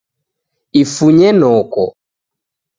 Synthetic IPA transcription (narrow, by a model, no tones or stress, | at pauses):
ifuɲɛnɔkɔ